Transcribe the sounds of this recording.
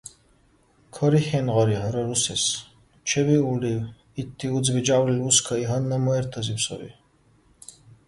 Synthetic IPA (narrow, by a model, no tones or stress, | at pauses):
kʰɔɾiχɛnʁɔɾiɦɔɾɐɾusɛs | t͡ʃʰɛbiuɾɖiː | t̪ʰːiud͡zbid͡ʒawɾiluskʰɐiɦɐnːɐmɔɛɾt̪ʰɐzipsɔ̰ɾḭ